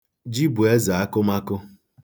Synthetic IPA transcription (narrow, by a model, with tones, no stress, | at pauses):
d͡ʒi˦bu˨e˦za˨a˦kʊ˦ma˦kʊ˦